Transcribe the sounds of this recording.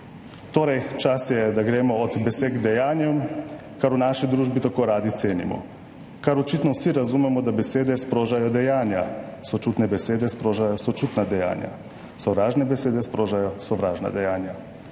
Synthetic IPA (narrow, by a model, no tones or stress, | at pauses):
t̪oːɾajt͡ʃasjɛd̪aɡɾeːmɔːd̪beseɡd̪ɛjaːnjɛ | kaɾunaːʃid̪ɾuːʒbit̪akoːɾaːd̪it̪sʲeːnḭmɔ̰ | kaɾot͡ʃit̪nɔwsiɾazumɛmɔd̪abeseːd̪ɛspɾoʒajɔd̪ɛjaːnjasot͡ʃuːt̪nɛbeseːd̪ɛspɾoːʒajɔsot͡ʃuːt̪nad̪ɛja̰ːnja̰ | sɔʋɾaːʒnɛbeseːd̪ɛspɾoʒajɔsoʋɾaːʒna̰d̪ɛjaːnja